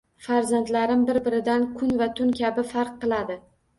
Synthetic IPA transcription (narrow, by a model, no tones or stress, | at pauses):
faɾzant̪laɾɪmbɪɾbɪɾɪd̪ankʰʊnvat̪ʰʊnkʲʰabɪfaɾqːɨlˠad̪ɪ